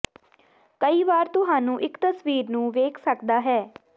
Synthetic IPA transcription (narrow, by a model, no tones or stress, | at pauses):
kəiːʋaːɾt̪ʊɦãːnũːʔɪkt̪əsʋiːɾnũːʋeːkʰsəkd̪aːɦɛː